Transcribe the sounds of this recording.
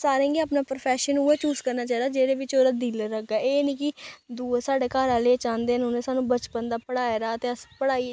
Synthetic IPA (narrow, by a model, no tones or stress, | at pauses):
saːɾẽːŋɡiaːpnaːpɾəpʰɛːʃənueːt͡ʃuːzkəɾnaːt͡ʃaːiːd̪aːd͡ʒeːɾeːʋɪt͡ʃoːɾaːd̪iːləɾəɡaːeːniːkɪd̪uːsaːɖeːkaːɾaːleːt͡ʃãːnd̪eːənʊnẽːsaːnũːbət͡ʃpənd̪aːpəɽaːeɾaːt̪eːəspəɽaːiː